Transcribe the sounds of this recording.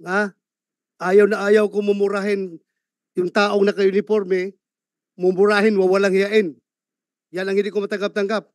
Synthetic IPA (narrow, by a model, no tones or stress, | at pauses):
a | ʔaːjawnɐʔaːjawkomʊmʊɾaɦɪn | jʊŋt̪aːʔoŋnɐkɐʊnɪpoɾmɛ | mʊmʊɾaɦɪnwawalaŋhɪjaʔɪn | janɐŋhɪnd̪ɪkomɐt̪aŋɡap̚t̪aŋɡap̚